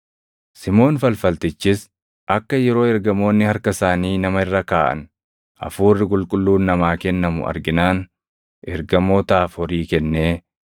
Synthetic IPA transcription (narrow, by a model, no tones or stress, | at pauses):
sɪmo̞ːnfɐlfɐlt̪ɪt͡ʃːɪs | ʔɐkːɐjɛɾo̞ːɛɾɡɐmo̞ːnːɪhɐɾkɐsaːniːnɐmɐɪrːɐkaːʔɐ̰n | ʔɐ̰fuːrːɪkʼʊlkʼʊlːuːnːɐmaːkɛnːɐmʊ̰ʔɐ̰ɾɡɪnaːn | ʔɛɾɡɐmo̞ːt̪aːfɔɾiːkɛnːeː